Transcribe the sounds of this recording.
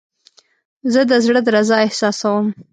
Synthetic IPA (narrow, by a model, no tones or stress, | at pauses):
zəd̪əzɽəd̪əɾazɑɪhsɑsawəm